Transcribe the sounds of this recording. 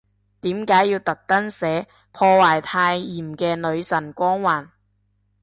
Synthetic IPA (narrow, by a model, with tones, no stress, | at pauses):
t̪iː˨˥mkaː˨˥jːiː˧wt̪ɐ˨k̚t̪ɐ˥nsɛː˨˥ | pʰɔː˧waː˨˩jt̪ʰaː˧jiː˨˩mkɛː˧nɵ˨˧ɥsɐ˨˩nkʷɔː˥ŋwaː˨˩n